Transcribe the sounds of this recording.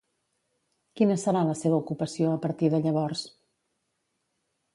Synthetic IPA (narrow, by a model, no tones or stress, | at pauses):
kinəsəɾaləseβ̞əukupəsioəpəɾt̪iðəʎəβɔrs